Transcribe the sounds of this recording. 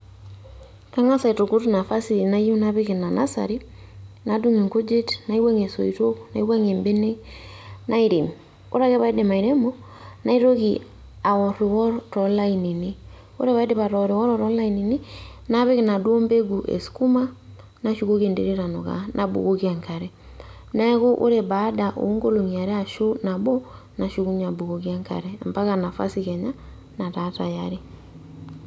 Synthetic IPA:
ka˦ŋa˦sa˨i˨to˨ku˦tna˨fa˦si˨na˨˦ji˦na˦βe˦ki˨na˨na̰˦sa̰˨ɾi˦ | na˨du˦ŋi˨ŋko˦d͡ʒe˦tna˨˦i˦wa˦ŋe˨so̰˨i˨to˦kna˨i˦wa˦ŋe˨mbe˦ne˦ | nʔa˦i˨ɾi˨m | o̰˦ɾa˦ke˦βa˦i˦de˨ma˨i˨ɾe˦mɔ˦ | na˦i˦ɾo˦ki˨ | a˨wɔ˨ɾi˨wɔ˦ɾɾɔ˨la˦i˨ni˨ni˦ | o̰˦ɾe˦βa˦i˦de˦βa˨ɾɔ˨ɾɪ˨wɔ˦ɾɔ˦ɾɔ˦la˦i˨ni˨ni˦ | na˦βɛ˦ɣe˦na˨dwo˦mbe˦ɡu˨ʔɛ̰si̥ku˦ma˦ | naʃu˦ɣo˦ɣe˨ndḛɾe˦ɾa˨nɔ˨ɣa̰nʔa˨bṵɣoɣia˨ŋka˨ɾɛ | na˦ɛ˦ɣo˦ʔo̰˦ɾeba˦daʔo̰˨˦ŋɡo˦lo˨ŋia˨ɾɛ˦a˨ʃo˦na˨bɔ˦ | na˨ʃuɣu˦ɲa˨bu˨ɣo˨ɣia˦ŋka̰˨ɾɛmba˦ɣana˨fa̰˦si˨ɣɛ˨ɲa | na˨tata̰˨jaɾe˦

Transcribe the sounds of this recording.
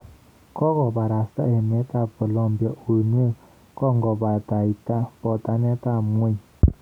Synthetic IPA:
kɔ˦kɔ˨ba˨ɾa˨sa̰˦ɛ˨mɛ˨˦ta˦˨pɔ˨lɔ˦m˨bjɔ˨ʔo˨n˦o˦˨ | kɔ˦ŋ˨ɡɔ˨ba˨ta˨i˨ta˦pɔ˨ta˨nɛ˦ta˦˨mʷ˦e˦ɲ˨

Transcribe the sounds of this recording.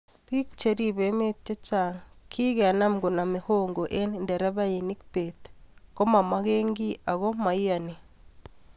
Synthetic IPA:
pi˦kt͡ʃe˨ɾi˦βeme˦tːe˦t͡ʃaŋkʰi˦ɣea˨na˦mɡo˨na˨me˨hoŋɡo˨ʔe˦nnde˨ɾa˦βa˦ji˨ni˦kpetko˦ma˨ma˦ɣeːŋɡi˦a˨ɣo˦ma˨i˦a˨ne˨

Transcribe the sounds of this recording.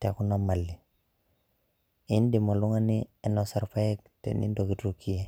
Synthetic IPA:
te˨ku˦na˦ma˨lːi˨ | i˦n˦di˨mo˨lu˦ŋa˦ni˦e˦no˨sa˨ɾpa˦je˦ktḛ˨nḭ˦ndo˨ki˦tu˨ki˦je˨

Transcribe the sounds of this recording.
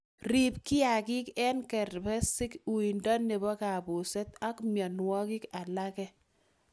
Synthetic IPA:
ɾi˨p̚ki˦a˨ki˦kɛ˦nkɛ˨ɾbɛ˦sɪ˦ku˨i˨ndɔ˦ne˨bɔ˦ka˨bu˨sɛ˦t̪a˦kmja˨nwɔ˦ki˦ka˨la˦kɛ˦

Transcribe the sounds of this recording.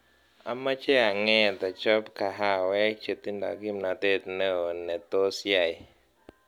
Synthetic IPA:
a̰˨mːa˦t͡ʃe˦a˨ŋɛ˦˨t̪a˨t͡ʃɔ˦pka˨ɦa˦˨wɛ˦k̚t͡ʃe˨t̪i˦nda̰˨ɡi˦˨mna˨t̪e˦˨t̪nə˦˨nɛ˨t̪o˦sja˨j

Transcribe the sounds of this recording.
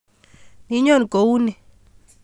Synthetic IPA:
ni˨˦ɲɔ˦˨n˨ɡo˨u˦nɛ˨

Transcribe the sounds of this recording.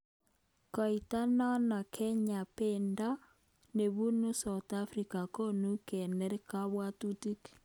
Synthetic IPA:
kɔ˨ita˦nɔ˦na˨kʰɛ˦ɲa˨penda˦ | ne˨βu˦nu˦sa˨t̪afɾika˨ko˦nu˦kɛ˨nɛ˦ɾe˦ka˦βwa˦tu˦ti˦k

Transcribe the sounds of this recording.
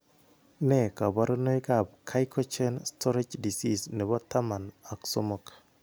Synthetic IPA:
nɛ˦˨ka˨ba˦ɾo˦no˦jka˦˨b̚kʰa˦jkʰɔ˦t͡ʃɛ˦nstʰɔ˦ɾe˦d͡ʒdi˨si˦sne˨bɔ˦t̪ːa˦ma˨na˨kso˦mɔ˦˨k

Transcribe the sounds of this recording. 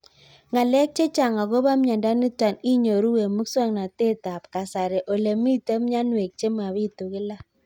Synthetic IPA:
ŋa˨lɛ˦k̚t͡ʃe˦t͡ʃa˨ŋa˨ɣo˦βa˦mɲa˨nda˦ni˦twa˨ni˦ɲo˨ɾu˦we˨mu˦kswa˦ŋna˨te˦ta˨pka˨sa˨ɾe˨ʔo˨le˨mi˦te˦mɲa˦nwe˨k̚t͡ʃe˦ma˨βi˦to˨ɣɪ˦la˦

